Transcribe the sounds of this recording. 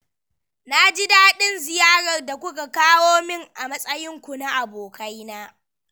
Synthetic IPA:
na˦d͡ʒɪ˦daː˦ɗɪ˦nzɪ˨jaː˦ɽɐ˨rda˨kʷʊ˦ka˨kaː˦woː˦mɪ˦ŋʔa˨mɐ˦sʼɐ˦jɪ˦ŋkʷu˨na˦ʔa˨boː˨kʰa˦jnaː˦

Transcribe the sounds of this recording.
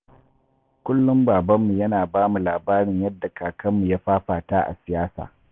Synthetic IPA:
kʷʊ˦lːʊ˦mbaː˨bɐ˦mːu˨jɐ˦naː˨baː˦mu˨laː˨baː˦ɽɪ˨ɲjɐ˦dːa˨kʰaː˨kʰɐ˦mːu˨ja˦ɸaː˦ɸaː˨taː˦ʔa̰˨sɪ˨jaː˦sa̰ː˨

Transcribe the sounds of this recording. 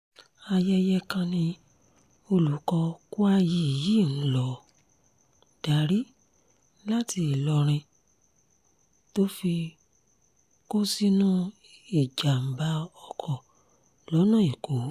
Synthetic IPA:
a˧jɛ˧jɛ˧kã˧nĩ˧ | o˧lu˨˦kɔ˧ku˦a˧ji˧˦˨ji˦˨ñ̩˨˦lɔ˨˦ | d̥a˨ɾi˦ | la˦ti˧˦e˨lɔ˧ɾ̃ĩ˧ | to˦fi˧ | ko˦si˦nũ˦ | i˨d͡ʒa˨m̩˨ba˨˧ɔ˧kʰɔ˨ | lɔ˨˦nã˦˨i˨ko˨˦

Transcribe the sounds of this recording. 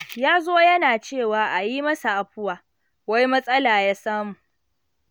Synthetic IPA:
jaː˦zoː˦jɐ˦naː˨t͡ʃeː˦˨waː˨ʔa˨ji˦mɐ˦sa˨ʔa˨ɸʊ˦waː˨ | wa˦jmɐ˦sʼɐ˦laː˨jaː˦saː˦mu˨ʔ

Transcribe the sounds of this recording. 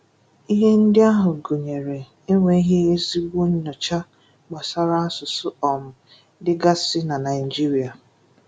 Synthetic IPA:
i˦ɦe˦n̩˦dɪ˦a˦ɦʊ˨ɡo˨ɲe˨ɾe˨ | e˦ŋʷe˨i˦ɦe˦e˦zi˦ɡʷu˦ɲ̩˦nɔ˨t͡ʃa˦ | ɡ͡ba˨sa˦ɾa˦a˦sʊ˨sʊ˦ɔ˨m̩˨ | dɪ˦ɡa˦sɪ˦na˨na˨ɪ˨d͡ʒi˦ɾi˨a˨

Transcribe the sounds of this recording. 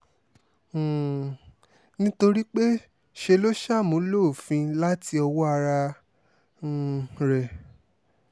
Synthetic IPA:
nĩ˦to˧ɾi˦k͡pe˦ | ʃe˧lo˦ʃa˦˨mũ˨˦lo˦˨fĩ˧la˦ti˧ɔ˧wɔ˦a˧ɾa˧˨ | ɾɛ˨

